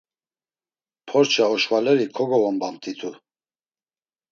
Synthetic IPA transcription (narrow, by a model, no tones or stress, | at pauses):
pʰɔɾt͡ʃʰaɔʃvalɛɾikʰɔɡɔvɔmbant̪ʼit̪ʰu